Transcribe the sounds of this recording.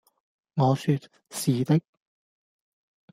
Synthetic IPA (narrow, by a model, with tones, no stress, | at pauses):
ŋɔː˨˧sy˧t̚ | siː˨t̪ɪ˥k̚